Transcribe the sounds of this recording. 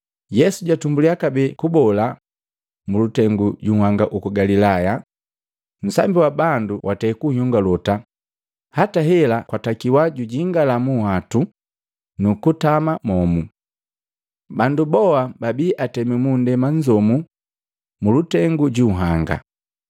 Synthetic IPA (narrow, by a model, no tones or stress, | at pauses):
jɛsuɟatumbuliakabɛkubɔla | mulutɛŋɡuɟuhaŋɡaʔukɔɡalilaja | n̩sa̰mbiwabanduwʔatɛːkuɲɔŋɡalɔta | hataɦɛlakwatakiwaɟuɟiŋɡalamuhatu | nukutamamɔmu | bandubɔababiʔatɛmimundɛmaɲd͡ʒɔmu | mulutɛŋɡuɟuɦaŋɡa̰